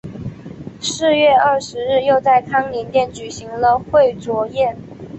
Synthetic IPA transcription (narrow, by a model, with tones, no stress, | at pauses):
ʂɻ̩˥˧ɥɛ˥˧ɐ˥˩ʂɻ̩˧˥ɻɻ̩˥˧jo˥˧ʊt͡sa˥˩ɪkʰɑ˥ŋli˧˥nt̪jɛ˥˩nt͡ɕy˨˩ɕi˧˥ŋlə˧xwe˥˩ɪt͡swɔ˧˥jɛ˥˩n